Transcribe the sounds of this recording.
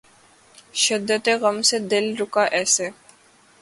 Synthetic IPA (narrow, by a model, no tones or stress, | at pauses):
ʃɪd̪ːət̪eɣɐmsed̪ɪlɾʊkaʔɛːse